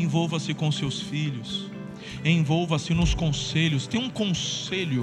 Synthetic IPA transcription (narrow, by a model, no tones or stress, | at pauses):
ẽvowvɐsɪkõsewsfiʎʊs | ẽvowvɐsɪnʊskõselʊst̪ẽj̃ũkõseʎʊ